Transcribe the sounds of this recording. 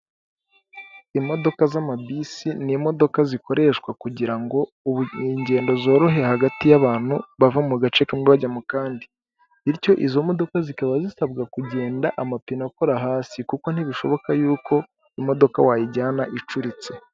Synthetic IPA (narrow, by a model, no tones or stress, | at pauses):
imo̞do̞kazamabisinimo̞do̞kaziko̞ɾe̞ʃkwakuɟiɾaŋɡo̞ | uβuɲɟe̞ːndo̞zo̞ːɾo̞ɦe̞haɡatijaβaːn̥huβavamuɡat͡ʃe̞kamiβaɟamukaːndi | iɾco̞ʔizo̞mo̞do̞kazikaβazisabɡakuɟe̞ːndaʔamapinako̞ɾaɦaːsikuko̞n̥iβiʃo̞βo̞kajuːko̞ | imo̞do̞kawaːjiɟaːnaʔit͡ʃuɾit͡se